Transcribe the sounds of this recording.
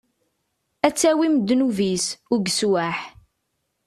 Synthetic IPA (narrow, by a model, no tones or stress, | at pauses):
æt͡sːæwimd̪ːnuvisʊɡswaħ